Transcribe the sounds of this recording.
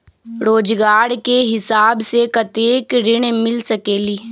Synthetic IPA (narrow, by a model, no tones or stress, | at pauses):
ɾoːd͡ʒɡaːɾkeɦɪsaːbsekɐt̪eːkɾɪɽ̃mɪlsɐkeːliː